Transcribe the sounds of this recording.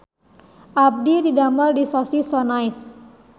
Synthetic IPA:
ʔab̚dididamardisɔsisɔnajs

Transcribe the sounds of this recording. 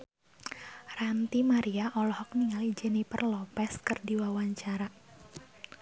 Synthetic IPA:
rant̪imaɾiaʔɔlɔhɔk̚niŋalid͡ʒɛnipə̰rlɔpɛskɨrdiwawaɲt͡ʃaɾa

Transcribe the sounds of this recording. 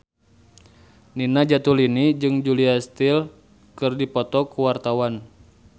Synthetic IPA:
ninad͡ʒat̪ulinid͡ʒɨŋd͡ʒuliast̪il | kɨrdipɔt̪ɔkuwart̪awan

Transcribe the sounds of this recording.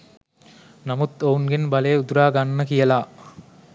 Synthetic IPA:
namut̪ounɡenbalejeud̪uɾaːɡanːəkijəlaː

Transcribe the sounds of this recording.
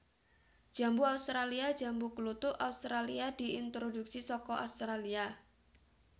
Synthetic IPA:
ʒ̥a̤mbuaust̪ɾaliḁd͡ʒa̤mbuklut̪ʊʔʔaust̪ɾaliad̪̥i̤int̪ɾoduk̚sisɔkɔʔa̰ust̪ɾalia

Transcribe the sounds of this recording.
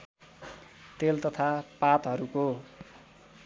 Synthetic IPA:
t̪elt̪ʌt̪ʰapat̪ɦʌɾuko

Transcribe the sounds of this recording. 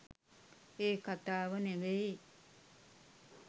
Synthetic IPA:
eːkat̪aːʋəneʋe

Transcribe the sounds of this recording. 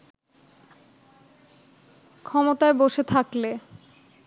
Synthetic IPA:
kʰɔmot̪aeboʃet̪ʰakle

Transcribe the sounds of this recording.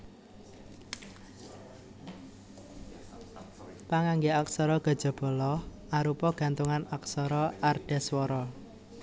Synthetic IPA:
paŋaŋɡeaksɔɾɔɡ̥ə̤d̥d͡ʒ̥ɔ̤b̥ɔ̤lɔh | aɾupɔɡ̥ä̤nt̪uŋanak̚sɔɾɔarɖ̥ɛswɔɾɔ

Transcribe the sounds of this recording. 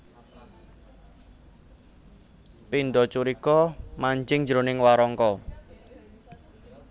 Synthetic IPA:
pinɖɔt͡ʃuɾikɔmaɲd͡ʒɪŋd͡ʒɾonɪŋwaɾɔŋkɔ

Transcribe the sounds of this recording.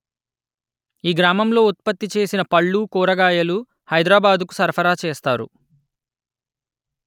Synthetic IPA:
iːɡɾaːmɐmlo̞ːut̪̚pɐt̪ːit͡ʃe̞ːsinɐpɐɭːuːkuːɾɐɡaːjɐlu | hɐjd̪ɾaːbaːd̪uku̥sɐɾpʰɐɾaːt͡ʃeːst̪aːɾṵ

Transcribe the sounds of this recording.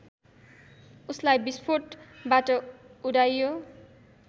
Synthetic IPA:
uslajbispʰoʈbaʈʌuɽajːo

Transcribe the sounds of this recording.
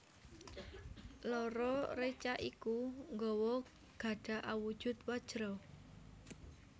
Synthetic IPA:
lɔɾɔret͡ʃaʔikuŋɡɔwɔ | ɡ̥a̤ɖ̥ä̤ʔawu̥ʒ̥ʊ̤t̪wad̥ʒ̥ɾɔ

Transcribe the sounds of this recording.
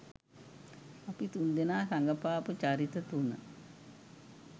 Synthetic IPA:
apit̪und̪enaːsaŋɡəpaːpət͡ʃaɾit̪ət̪unə̰

